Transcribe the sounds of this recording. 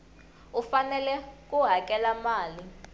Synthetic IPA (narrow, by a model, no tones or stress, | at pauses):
ufanɛlɛk̬ʼuɦak̬ʼɛlamaːli